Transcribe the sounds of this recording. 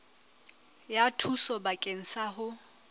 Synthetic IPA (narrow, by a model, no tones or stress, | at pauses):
jatʰusɔbakʼeŋ̩saɦʊ